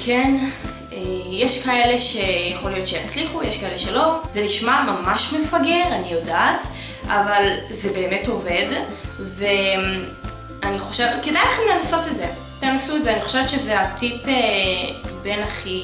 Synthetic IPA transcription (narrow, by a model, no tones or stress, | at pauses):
kʰen | ejeʃkae̞le̞ʃejaχo̞lijo̞t̪ʃejat͡sliχujeʃkae̞leʃelo̞zeniʃmamamaʃmefaɡe̞ʁanijodaːt | avalzebe̞ːmeto̞ve̞dve | aniχoʃevkedajlaχemlenaso̞tetze | lenasuɛtzeaniχoʃevet̪ʃezeatipe | be̞naχi